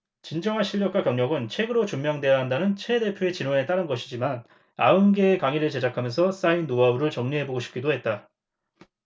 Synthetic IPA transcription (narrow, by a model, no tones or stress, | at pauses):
t͡ɕind͡ʑʌŋɦanɕʰiʎːʌk͈wakjʌŋɲʌɡɯnt͡ɕʰwe̞ɡɯɾot͡ɕummjʌŋde̞jaɦandanɯnt͡ɕʰe̞de̞pʰjoe̞t͡ɕinwone̞t͈aɾɯnɡʌɕʰid͡ʑiman | aɯnɡeːkaŋiɾɯɭt͡ɕe̞d͡ʑakʰamjʌnsʰʌs͈ainːoauɾɯɭt͡ɕʌŋɲiɦe̞boɡoɕʰi̥p̚k͈idoɦe̞t̚t͈a